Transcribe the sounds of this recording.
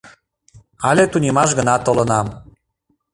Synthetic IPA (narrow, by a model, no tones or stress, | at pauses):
ɑlʲet̪unʲemɑʃ̬ɡənɑt̪olənɑm